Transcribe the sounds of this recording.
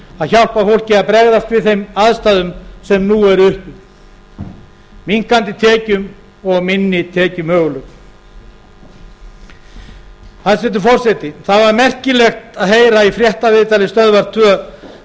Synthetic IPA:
aðçawl̥pafowl̥cɪaðpɾɛɣðast̪vɪðθejmaðst̪aːðʏmsɛmnuɛɾʏhpʏ | miŋ̥kant̪ɪt̪ʰɛːcʏm | ɔɣmɪnːɪt̪ʰɛːcʏmœːɣʏlœk | aðsɛt̪ʏfɔr̥sɛt̪ɪθaðvaɾmɛr̥cɪlɛxt̪aðɦeːjɾaifɾjɛht̪avɪðt̪alɪst̪œðvaɾ̥t̪ʰvœ

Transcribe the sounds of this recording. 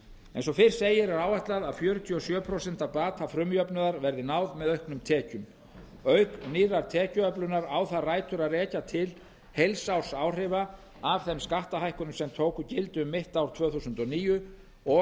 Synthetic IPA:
ḛjnsɔfɪr̥seːjɪɾɛɾaːwaht̪laðaðfjœːɾʏt̪ʰiɔsjœːpʰɾosɛn̥t̪apaːt̪ʰafɾʏmjœpnʏðaɾvɛɾðɪnaːwðmɛðœhknʏmt̪ʰɛːcʏm | œɥkniːɾaɾt̪ʰɛːcʏœplʏnaɾawθaraːjt̪ʏɾaðrɛːcat̪ʰɪl | hejlsaw̥saːwr̥ɪva | avθɛmskaht̪aɦajhkʏnʏmsɛmt̪ʰoːwkʏcɪlt̪ʏʏmːɪht̪awɾ̥t̪ʰv̥œːθusʏnt̪ɔniːjʏ | ɔ

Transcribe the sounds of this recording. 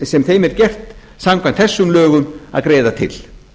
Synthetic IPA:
sɛmθejmɛɾcɛr̥t̪ | samkʰvant̪θɛsːʏmlœːɣʏma̰ðkɾeːðat̪ʰɪ̰l

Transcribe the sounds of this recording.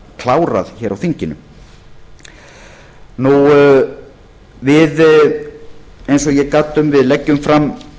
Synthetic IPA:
kʰlaːwɾa̰ðçɛːɾawθiɲcɪnʏ̰ | nu | vɪð | ejns̬ɔɣjɛkat̪ːʏmvɪðlɛcːʏmfɾam

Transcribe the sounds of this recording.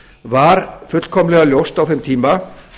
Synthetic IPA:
vaɾfʏt̪l̥kʰɔmlɛɣaljowst̪awθɪmt̪ʰiːma

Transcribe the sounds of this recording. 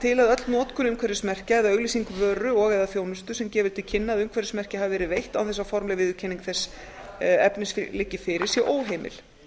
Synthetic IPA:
t̪ʰɪlaðœt̪lnɔːt̪kʰʏnʏmkʰvɛɾɪsmɛr̥caɛðaœɣlisiŋkʏvœːɾʏɔɣɛðafjoːwnʏst̪ʏsɛmcɛːvɪðt̪ʰɪlcʰɪnːaðʏmkʰvɛɾɪsmɛr̥cɪhavvɛːɾɪðvejht̪awθɛs̬ːafɔɾmlɛɣvɪðʏcʰɛniŋkθɛsː | ɛpnɪslɪcːɪfɪɾɪɾ̥sjɛʔoːwɦejmɪ̰l̥

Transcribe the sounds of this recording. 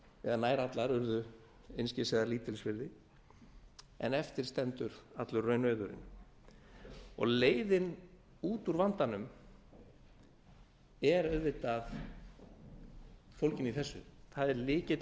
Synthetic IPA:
ɛðanaːjɾat̪laɾʏɾðʏ | ejnscɪsɛːɣðaɾliːt̪ɪlsvɪɾðɪ | ɛ̰nɛft̪ɪɾ̥st̪ɛnt̪ʏɾ̥at̪lʏrːœːɥnœːɥðʏɾɪ̰n | ɔ̰ɣleːjðɪn | uːt̪uɾvant̪anʏm | ɛɾœɥðvɪt̪aθ | fowlcɪniθɛsːʏ̰θaðɛɾlɪːcɪ

